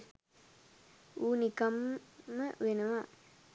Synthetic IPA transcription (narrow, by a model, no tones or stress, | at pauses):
uːnikɐmːɐʋenɐʋa